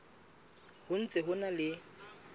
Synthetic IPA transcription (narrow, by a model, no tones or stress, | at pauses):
hʊn̩t͡sʼɪɦʊnalɪ